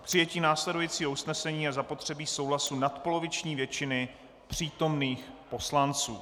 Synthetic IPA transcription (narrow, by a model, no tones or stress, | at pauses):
pr̝̥ɪjɛciːnaːslɛdujit͡siːɦousnɛsɛɲiːjazapo̞t̪r̝̥ɛbiːso̞wɦlasunat̪po̞lo̞vɪt͡ʃɲiːvjɛt͡ʃɪnɪ | pr̝̥iːt̪o̞mniːxpo̞slant͡sṵː